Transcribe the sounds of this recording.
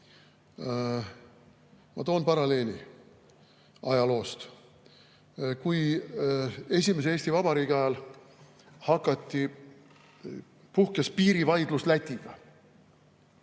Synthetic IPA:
mɑ̰t̪o̞ːnpɑɾɑle̞ːnʲi | ɑjɑlo̞ːst̪ | kuj | e̞s̬ʲimes̬e̞ːsʲt̪ivɑbɑɾiːɡɑjɑl | hɑkˑːɑt̪ʲːi | puhkespiːɾivɑjd̪̥luslæt̪ʲːiɡ̥ɑ

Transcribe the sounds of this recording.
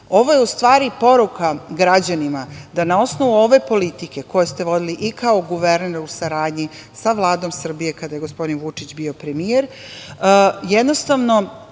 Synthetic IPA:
o̞ʋo̞jeust̪ʋaːɾipo̞ɾukaɡɾad͡ʑanimad̪anao̞snoʋuo̞ʋe̞po̞lit̪ike̞ko̞jest̪e̞ʋo̞d̪iliʔikao̞ɡuʋe̞ɾneɾusaɾaːd̪ɲi | saʋlˠaːd̪o̞msr̩bije̞kad̪ajeɡo̞spo̞d̪inʋut͡ʂit͡ɕbio̞pɾemijeɾ | jed̪no̞st̪aʋno̞

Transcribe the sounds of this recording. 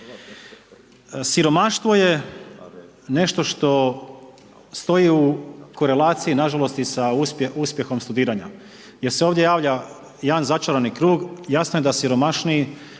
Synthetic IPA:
siɾo̞maʃt̪vʋo̞je̞ | ne̞ʃt̪o̞ʃt̪o̞ | st̪o̞jiuko̞ɾe̞laːt̪siinaʒalo̞st̪isaupeuspʲje̞xo̞mst̪ud̪iːɾaɲa | jeɾseoːʋd̪je̞jaːʋʎa | jaanzat͡ʃaɾanikɾuːɡjasno̞jed̪asiɾo̞maʃni

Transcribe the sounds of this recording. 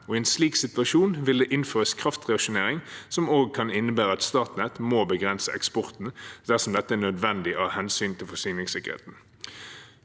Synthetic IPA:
ɔːiɛːnsliːksɪt̪ʋɑʃuːnʋɪld̪ɛːʔɪnføːʁəskʰʁɑft̪ʁɛɑkʃʊneːʁɪŋsɔmoːɡ̚kʰɑnɪnːəbæːʁəɑt̪st̪ɑːʁt̪nɛt̪moːbəɡʁɛnsəʔɛkspɔʁt̪n̩d̪̥æʁsɔmd̪ɛt̪ːəæːnœd̪ʋɛnd̪ɪʔɑhɛnsyːnt̪ʰɪlfɔsyːnɪŋsɪkːəʁhḛːt̪n̩

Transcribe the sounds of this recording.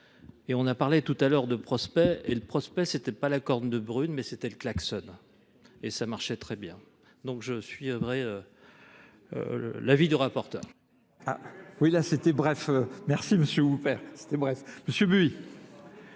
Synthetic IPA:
eɔ̃napaʁlet̪ut̪alœʁd̪əpχɔspɛeləpχɔspɛset̪ɛpalakɔʁnd̪əbʁynmɛset̪ɛləklaksɔn | esamaʁʃɛt̪χɛbjɛ̃ | d̪ɔ̃kʒəsɥivʁɛø | lavid̪yʁapɔʁt̪œ̰ːʁ | a̰wilaset̪ɛbʁɛfømɛʁsiməsjøupɛːʁse̥t̪ɛbʁɛfməsjøbyi

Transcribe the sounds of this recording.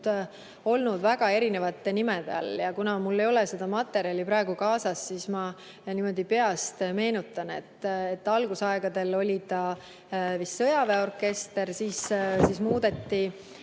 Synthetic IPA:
d̪̥ | o̞lnud̪væɡ̥ɑe̞ɾine̞vɑt̪ːˑenime̞d̪ḛɑ̰ljɑkunɑmulːe̞jo̞lese̞d̪̥ɑmɑt̪ːˑe̞ɾiɑlipɾɑe̞ɡ̥ukɑːsɑsːismɑ | nimo̞d̪̥ipe̞ɑst̪me̞ːnut̪ːˑɑne̞̰t̪ːˑet̪ːɑlɡ̥usɑeɡ̥ɑd̪e̞lo̞lʲit̪ɑ | visːɤjɑveo̞rkːˑe̞st̪e̞ɾsiːssismuːd̪e̞t̪ːi

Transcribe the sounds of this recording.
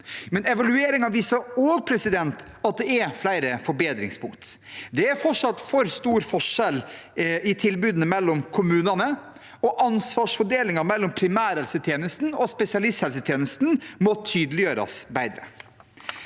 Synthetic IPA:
mɛnɛʋɑlʉeːɾɪŋɑʋiːsɑoːɡpʰɾɛsɪd̪ɛnt̪ | ɑt̪̚d̪ɛɛɾflæɪɾəfɔɾbeːd̪ɾɪ̰ŋspʰʊŋkt̪d̪ɛæɾfɔʈʂɑt̪ːfɔɾst̪uːɾfɔʂɛl | ɪt̪ʰɪlbʉːd̪ənəmɛlːɔmkʰʊmʉːnɑnə | ɔʔɑnsʋɑːʂfɔɖeːlɪŋɑɾmɛlːɔmpʰɾɪmæːɾɛlsət̪ʰjeːnəst̪n̩ɔspɛsɪɑlɪst̪hɛlsət̪ʰjeːnəst̪n̩mɔt̪ʰyːd̪əlɪjøːɾɑ̰sbæɪd̪ɾə̰

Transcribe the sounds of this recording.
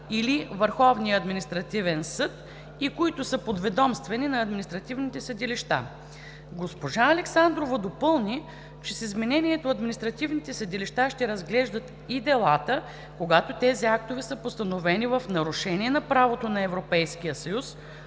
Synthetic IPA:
ilivəɾxɔvnijəɐd̪minist̪ɾɐt̪ivɛnsɤt̪ | ikoit̪ʊsəpod̪vɛd̪ɔmst̪vɛninɐːd̪minist̪ɾɐt̪ivnit̪ɛsəd̪iliʃt̪a̰ | ɡospoʒaɐlɛksand̪ɾovɐd̪opɤlˠni | t͡ʃɛsizmɛnɛnʲiɛt̪oɐd̪minist̪ɾɐt̪ivnit̪ɛsəd̪iliʃt̪aʃt̪ɛɾɐzɡlɛʒd̪ət̪ | id̪ɛlˠat̪ə | koɡat̪ot̪ɛziak̚t̪ovɛsəpost̪ɐnovɛnivɐfnɐɾʊʃɛniɛnɐpɾavot̪onɐɛvɾopɛjskijəsɐjus

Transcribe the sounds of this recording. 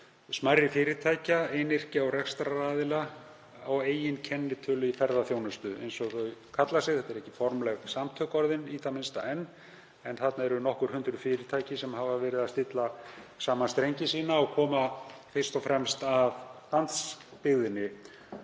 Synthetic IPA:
smajrːɪfɪːɾɪt̪ʰaːjcaeːnɪr̥cɪɔwrɛxst̪ɾaɾaːðɪla | aweːjɪncʰɛnːɪt̪ʰʏːlʏifɛɾðaθjoːwnʏst̪ʏʔḛjnsɔɣθœɥkʰat̪lasɪɣθɛt̪ːɛɾɛhcɪ̥fɔɾmlɛɣsamt̪ʰœkɔɾðɪniːt̪amɪnst̪a̰ɛnː | ɛnθat̪naɛɾʏnɔhkʏɾ̥hʏnt̪ɾʏfɪːɾɪt̪ʰaːjcɪsɛmɦavavɛːɾɪðast̪ɪt̪lasaːmanst̪ɾejɲcɪsiːnaɔɣkʰɔːmafɪr̥st̪ɔfɾɛmst̪avh̪ant̪spɪɣðɪnːɪ

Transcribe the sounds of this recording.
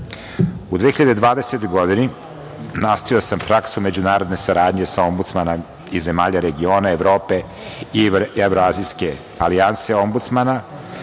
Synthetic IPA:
ud̪ʋeːiʎad̪ed̪ʋaːd̪eset̪oɡo̞d̪ini | nast̪aiosampɾaksume̞d͡ʑunaːɾod̪ne̞saɾaːd̪ɲe̞sao̞mbut̪smana | ize̞maːʎaɾeɡio̞ːnaevɾo̞ːpe̞ | ievɾoazijske̞ | alianseo̞mbut̪smana

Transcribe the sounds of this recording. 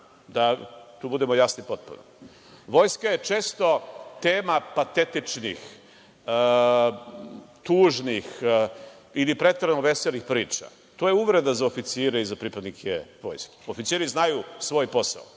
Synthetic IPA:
d̪at̪uːbud̪emojasnipo̞t̪̚pṵno̰ | ʋo̞jskajet͡ʃe̞ːst̪o̞t̪eːmapat̪et̪it͡ʂnḭx | ə | t̪uːʒnix | ilipɾe̞t̪ɾanoʋeselixpɾiːt͡ʃa̰ | t̪ojeuʋɾe̞d̪azaofit̪siːɾeizapɾipad̪nikʰeʋo̞̰ːjske̥ofit̪siːɾiznajusʋo̞ːjpo̞sa̰o

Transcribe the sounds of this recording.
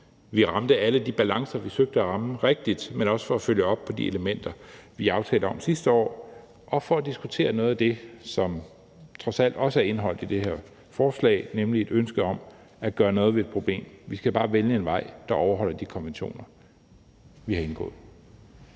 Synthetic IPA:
ʋiʁɑ̈md̥əæləd̥ib̥ælɑ̈ŋsɐʋisøɡ̥̚d̥əæʁɑ̈məʁeɡ̥̚d̥id̥menɒ̽sə̥fɒ̽æføljəɒ̽b̥̚pʰɒ̽d̥ie̝ləmen̰d̥ɐʋiɑ̈ʊt͡sʰɛ̰ːləɒ̽msisd̥əɒ̰ː | ʔɒ̽fɒ̽æd̥isɡ̥ut͡sʰe̝̰ːɐnɔ̽ːð̩ˠæd̥e̝sɒ̽m | t͡sʰʁɒ̽sæl̰d̥ɒ̽səæɐe̝nɦɒ̽l̰d̥id̥e̝ɦeɐ̰ | fɒːslɛ̰ɪnemlie̝d̥ønsɡ̥əɒ̽m | æɡ̥ɶːɐnɔ̽ːð̞̩ˠʋeed̥̚pʰʁo̝b̥lḛːmʋisɡ̥æb̥ɑ̈ːʋeljəe̝nʋɑ̈ɪ̰d̥ɑ̈ɒʊɐɦɒ̽l̰ɐd̥ikʰɒ̽nʋenɕo̝̰ːnɐ | ʋihɑ̈e̝nɡ̥ɔ̰̽ːð̩ˠ

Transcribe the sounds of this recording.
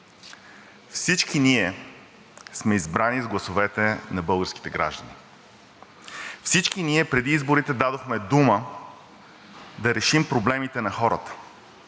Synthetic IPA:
fsit͡ʃkiniɛ | smɛizbɾanizɡlˠɐsovɛt̪ɛnɐbɤlˠɡəɾski̥t̪ɛɡɾa̰ʒd̪ɐni | fsit͡ʃkiniɛpɾɛd̪iizboɾit̪ɛd̪ad̪oxmɛd̪umə | d̪ɐɾɛʃimpɾoblɛmit̪ɛnɐxɔɾə̰t̪ə̥

